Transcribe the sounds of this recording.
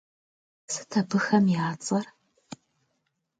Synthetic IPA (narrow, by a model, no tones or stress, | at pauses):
sɨ̥tʰɐbɨxɐmjaːt͡sʼɐr